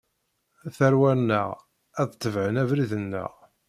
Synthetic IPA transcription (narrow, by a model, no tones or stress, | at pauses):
θæɾwæɾnːə̰ʁ | æðt̪ːəvʕənævɾiðənːə̰ʁ